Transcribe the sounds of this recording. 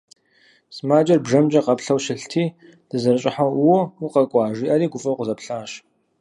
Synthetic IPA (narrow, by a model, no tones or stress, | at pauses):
smaːd͡ʒʼɐrbʐɐmd͡ʒɐqɐpɬɐwʃɪɬtʰiː | d̥ɨzɐrɨɕʼɪħawwɔuqɐkʷʼɑːʐiːʔɐɾiːɡʷʊfʼɐwqʷʊzɐpɬaːʃ